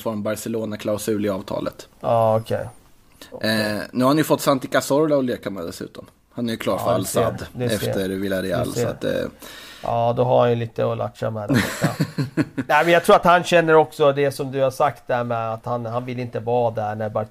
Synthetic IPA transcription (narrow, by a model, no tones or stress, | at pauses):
fɔɾmbaɾsɛloːnakʰlaʊsʉ̟ːlɪɑːvt̪ʰɑ̰ːlə̰t̪ɑːɔkʰɛ̰j | nʉhaɾhanjɵfɔt̪ːsant̪ɪkasɔɾlaɔleːkamɛd̪ɛsʉ̟̰ːt̪ɔm | hanæɾjɵkʰlɑːfɾa̰lsad̪d̪ɛɛfʰəɾvɪlːaɾɛɛ̰lːsa̰d̪ɛ̰ʔɑːd̪ɔɦaɾhanjɵliːt̪əɔlʔa̰ʈʂa̰mɛd̪ɛ̰a | nɛɪmɛnjɑt̪ʰɾuːɾat̪hanɕɛnːəɾɔksɔd̪ɛsɔmd̪ɵhaʂak̚t̪̚d̪ɛhæːɾmɛat̪hanɦanvɪlɪnt̪əvɑːd̪æɳæɾba